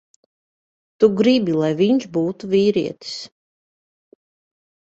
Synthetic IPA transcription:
t̪uɡɾibilˠajviɲʃbuːt̪uviːɾḭɛt̪i̥s

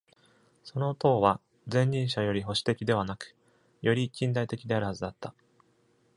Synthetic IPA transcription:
so̞not̪o̞ːβa | zẽ̞ɲ̟ːĩɰ̃ɕajo̞ɾʲiɦo̞ɕi̥t̪e̞kʲid̪e̞βanakɯ̥ | jo̞ɾʲikʲĩnd̪ait̪e̞kʲid̪e̞aɾɯ̟hazɨd̪at̪ːa

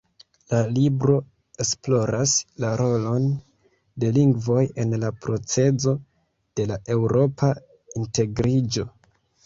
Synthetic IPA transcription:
lalibɾo̞ | e̞splo̞ɾaslaɾo̞lo̞n | de̞liŋɡvo̞je̞nlapɾo̞t͡se̞zo̞ | d̥e̞laʔe̞wɾo̞pʰa | inte̞ɡɾid͡ʒo̞

